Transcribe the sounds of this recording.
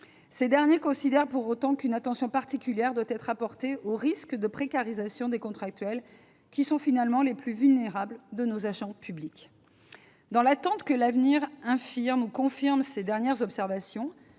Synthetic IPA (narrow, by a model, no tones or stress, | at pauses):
sed̪ɛʁnjekɔ̃sid̪ɛʁpuʁot̪ɑ̃kynat̪ɑ̃sjɔ̃paʁt̪ikʲyljɛʁd̪wat̪ɛt̪χapɔʁt̪eoʁiskd̪əpχekaʁizasjɔ̃d̪ekɔ̃t̪χak̚t̪ɥɛl | kʲisɔ̃finalmɑ̃leplyvylneʁabld̪ənozaʒɑ̃pʰyblik | d̪ɑ̃lat̪ɑ̃t̪kəlavniʁɛ̃fiʁmukɔ̃fiʁmsed̪ɛʁnjɛʁzɔpsɛʁvasjɔ̃